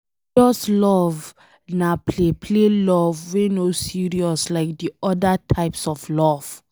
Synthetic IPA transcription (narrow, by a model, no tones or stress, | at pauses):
ɔslɔv | napʰlepʰlelɔvwenosiɹiɔslaɪk̚diɔdatʰaɪpsɔflɔv̥